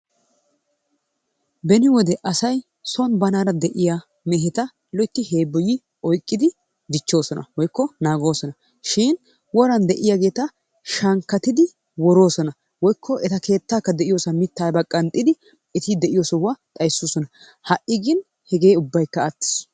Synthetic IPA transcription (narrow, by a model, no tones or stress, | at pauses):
bɛnɪwɔd̪ɛʔɐsɐj | sɔnbɐnaːɾɐd̪ɛʔɪja | mɛɦɛt̪ɐ | lɔjt̪ːɪhe̞ːbːɔjɪ | ɔjkʼːɪd̪ɪ | d̪ɪt͡ʃːo̞ːsɔnʔɐ̰wɔjkːɔnaːɡo̞ːsɔnɐ | ʃɪːn | wɔɾɐnd̪ɛʔɪjaɡe̞ːt̪ɐ | ʃɐŋkːɐt̪ɪd̪ɪ | wɔɾo̞ːsɔnɐ | wɔjkːɔʔɛt̪ɐke̞ːt̪ːaːkːɐd̪ɛʔɪjoːsɐmɪt̪ːaːbɐkʼːɐnt̪ʼːɪd̪ɪ | ɛt̪ɪd̪ɛʔɪjoːsɔʊwaːt̪ʼɐjsːoːsɔnɐ | hɐʔɪɡɪn | hɛɡe̞ːʊbːɐjkːɐat̪ːɪ̥s